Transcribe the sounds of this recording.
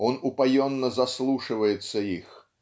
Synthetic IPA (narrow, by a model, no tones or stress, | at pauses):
ɔnupajɔnːɐzaslˠuʂɨvəjɪt̪sːɐix